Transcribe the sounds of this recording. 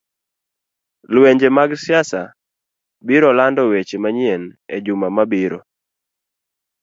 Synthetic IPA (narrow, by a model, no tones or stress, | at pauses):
lweɲd͡ʒemaɡsjasa̰ | biɾɔlandɔwet͡ʃemaɲienḛd͡ʒumamabiɾɔ